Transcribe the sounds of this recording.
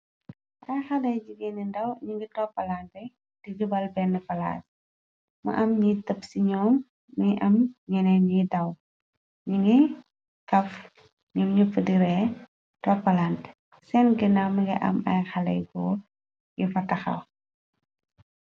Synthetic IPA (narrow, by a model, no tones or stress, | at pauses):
ɐjxɐlɐjd͡ʒiɡɛnɛndɐwɲiŋɡitɔpːɐlantɛ | d̥iɡubɐlbɛnːɛfɐla̰ːs | mɐ̰ʔɐmɲitɐpsiɲɔːmː | əʔɐmɲɛnɛɲidɐw | ɲiŋɡi | kɐf | ɲɔmɲufədiɾɛ | tɔpːɐlant | sɛnɡənamɐŋɡiʔɐ̰mɐ̰jxɐlɐ̰jɡɔ̰ː | jufɐtɐxɐ̰w